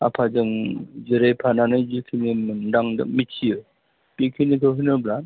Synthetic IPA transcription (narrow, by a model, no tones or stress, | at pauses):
a̰pʰad͡ʒɯŋd͡ʒɯɾepʰananɯjd͡ʒɯkʰɯnimɯndaŋdɯ̰k̚mitʰijɯ | pikʰɯnikʰɯɦɯnɯblan